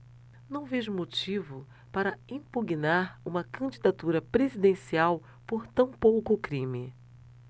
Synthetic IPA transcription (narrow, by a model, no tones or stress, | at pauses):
nɐ̃w̃veʒmot͡ʃivʊ | paɾɐĩpuɡinaɾũmɐkɐ̃d͡ʒid̪at̪uɾɐpɾezid̪ẽsiaw | poɾt̪ɐ̃w̃powkʊkɾĩmɪ